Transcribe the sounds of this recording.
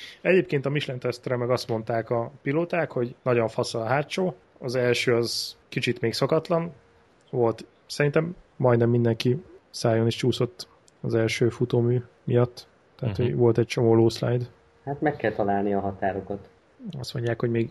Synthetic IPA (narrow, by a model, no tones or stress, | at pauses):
ɛɟeːp̚keːnt̪ɒmiʃlɛnt̪ɛst̪ɛɾɛmɛɡɒst̪mo̞nt̪aːkɒpiloːt̪aːkho̞ɟnɒɟo̞ɱfɒsɒlɒɦaːtt͡ʃoː | ɒzɛlʃøːɒzkit͡ʃit̪meːksɒkɒt̪lɒn | ʋo̞lt̪ | sɛɾint̪ɛmːɒjd̪nɛmːind̪ɛŋkisaːjoniʃt͡ʃuːso̞t̪ː | ɒzɛlʃøːfut̪oːmyː | mijɒt̪ː | ɛɦat̪hoɟʋo̞lt̪ɛc̚t͡ʃo̞moːloːslajd̪ | hat̪mɛkːɛlt̪ɒlaːlniɒɦɒt̪aːɾo̞kɒt̪ | ɒst̪mo̞ɲɟːaːkho̞ɟmeːɡ